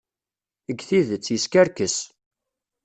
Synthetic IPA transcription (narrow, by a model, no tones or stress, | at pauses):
əɡθiðət͡sːjəskæɾkəs